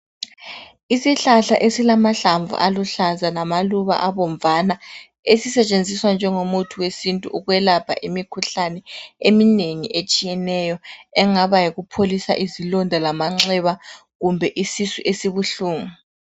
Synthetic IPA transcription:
isiɬaɬa̰ʔesilamaɬaɱvṵʔaluɬazalamaluβa̰ʔaβɔɱvana | esisɛt͡ʃʼend͡zʱiswand͡ʒʱɛŋomutʰuwesintʼuʔuɣwɛlapʰa̰ʔimikʰuɬanɛemineŋḭʔet͡ʃʼijɛnɛjɔɛŋaβajiɣupʰolisa̰ʔizilɔndʱalamaŋ͡ǁɛβa | ɣumbʱɛʔisisuʔesiβuɬuːŋu

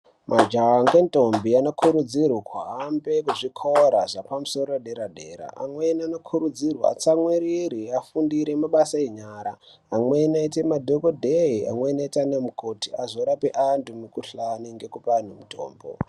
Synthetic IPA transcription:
mʔad͡ʒaŋɡento̞mbianokʰuɾud͡zirwakʰwaɦambe̞kuʐikʰoɾaʐapamuso̞ɾoeɗeɾaɗe̞̰ːɾa̰ʔa̰mwenianokʰuɾud͡zirwa̰a̰t͡samwiɾiɾiafundiɾemaɓasaeɲaːɾa̰ː | mwenaitemadʱokodʱeia̰mwenaitanemukotiazoɾapeʔandumukuɬaniŋɡe̞kupan̤umuto̰ːmbo̰

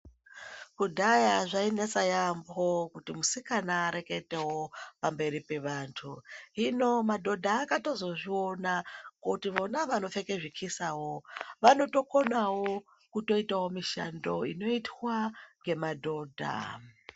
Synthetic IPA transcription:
kudʱajaʐainet͡sajambokutimusikanaːɾe̞ke̞tewopambe̞ɾipe̞ʋaːntʰuɦino̞madʱo̞dʱaːkato̞zo̞ʐio̞nakotiʋonaʋano̞fe̞ke̞ʐikʰisawo̞ʋano̞to̞ko̞nawo | kuto̞itawo̞miʃando̞ino̞itwaŋɡe̞madʱo̞ːdʱa̰

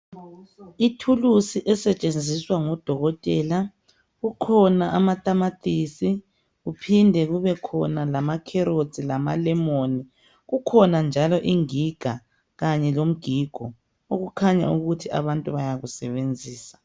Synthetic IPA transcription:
itʰulusiʔɛsɛt͡ʃʼend͡zʱiswaŋɔd̥ʱɔɣɔtʼɛːla | ɣukʰɔnaʔamatʼamatʼisi | ɣupʰindʱɛɣuβɛkʰɔnalamakʰɛɾo̥z̥ʱʼilama̰lɛmoːni | ɣukʰɔnand͡ʒʱalɔʔiŋiɡ̥ʱa | ɣaɲɛlom̩ɡ̥ʱiɡ̥ʱɔ | oɣukʰaɲa̰uɣutʰiʔa̰βantʼuβajaɣusɛβend͡zʱiːsḁ

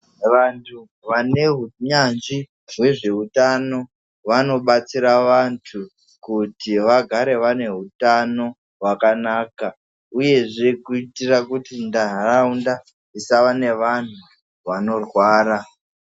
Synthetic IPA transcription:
ʋantʰu | ʋane̞ɦuɲand͡ʒi | ɦwe̞ʐe̞utano̞ | ʋano̞ɓat͡siɾaʋantʰu | kutiʋaɡʱaɾe̞ʋane̞ɦutano̞ | ɦwakanaːka | uje̞ʐe̞kuitirakutindaraunda | isaʋane̞ʋan̤u | ʋano̞rwaːɾa

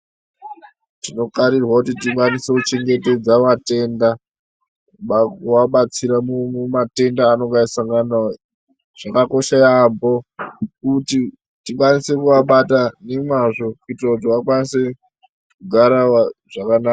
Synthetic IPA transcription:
tino̞kaɾirwakutitikwanise̞kut͡ʃe̞ŋɡe̞te̞d͡zaʋate̞nda | ɓakuwaɓat͡siɾamumumate̞ndaːno̞ŋɡaisaŋɡana | ʐ̥akako̞ʃajambo̞kuti | tikwanise̞kuaɓatanemwaʐo̞kuitirakut̬iwakwanise̞ | kuɡʱaɾaaʐ̥akanaːa

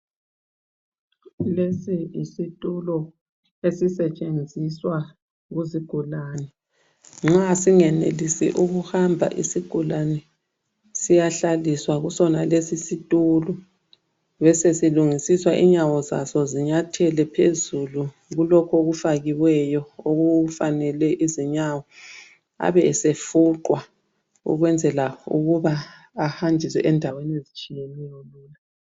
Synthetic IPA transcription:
lesiisitʼulɔ | esisɛt͡ʃʼend͡zʱiswa | ɣuziɡ̥ʱulaːnɛ | ŋ͡ǁasiŋɛnḛlisḭʔuɣuhambʱa̰ʔisiɡ̥ʱulanɛ | sijaɬaliswaɣusɔnalesisitʼulu | βɛsesiluŋisiswaʔiɲawɔza̰sɔziɲatʰɛlɛpʰezulu | ɣulɔkʰoɣufaɣiwɛjɔoɣufanɛlɛʔiziɲawɔ | a̰βɛɛsefuǃwa | ṵɣwɛnd͡zʱɛlaṵɣuβaː | hand͡ʒʱiswɛ̰ʔɛndʱawenezit͡ʃʼijenɛjɔluːna

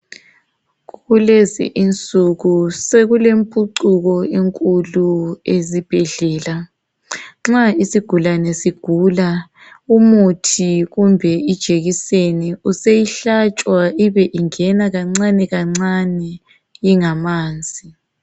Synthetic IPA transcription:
ɣuɣulezḭʔint͡sʼuɣuseɣulempʼuǀuɣɔeŋkʼuluezib̥ʱɛɮɛːla | ŋ͡ǁaisiɡ̥ʱulanɛsiɡ̥ʱuːla | umutʰiɣumbʱɛid̥ʒ̥ʱeɣiseniusejiɬat͡ʃʼwaiβɛʔiŋɛnaɣaŋ͡ǀanɛɣaŋ͡ǀanɛ | iŋamaːnd͡zʱi

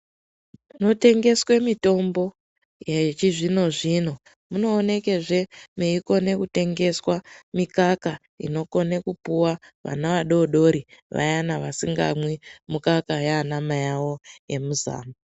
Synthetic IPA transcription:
no̞te̞ŋɡe̞swe̞mito̞mbo̞ | jet͡ʃiʐino̞ʐino̞ | muno̞ːne̞ke̞ʐe̞meiko̞ne̞kute̞ŋɡe̞swamikaka | ḭno̞ko̞ne̞kupuwa | ʋa̰naʋaɗo̞ɗo̞ɾiʋa̰janaʋasiŋɡa̰mwimukakajaːnamajawo̞je̞muza̰ːma

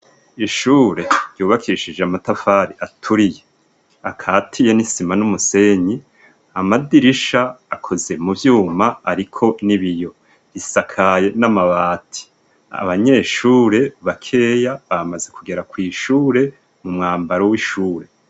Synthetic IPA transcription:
iʃuːɾe̞ɾɟuːβakʰiiʃid͡ʒeamatafaɾiʔatʰuɾije̞ | akʰaːtʰijenisimanumuse̞ɲi | amadiɾiʃaːkʰo̞ze̞mubjuːmaːɾikʰo̞niβijo̞ | βisakʰaje̞namaβaːtʰi̥ | a̰βaɲe̞ːʃuːɾe̞βakʰe̞ːjaβamaze̞kuɡe̞ɾakwiːʃuːɾe̞ | mumŋaːmbaɾowiʃuːɾe̞

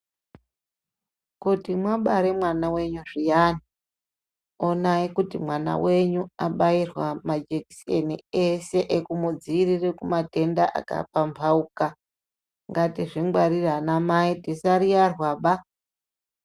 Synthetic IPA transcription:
kutimwaɓaɾemwanawe̞ɲuʐijaːni | onaikutimwana̰we̞ɲuaɓairwamad͡ʒeki̥sḛnḭese̞ʔekumud͡ziːrirekumate̞ndaʔa̰ka̰pampʰauka | ŋɡatiʐiŋɡwaɾiranamaitisaɾijarwaɓa

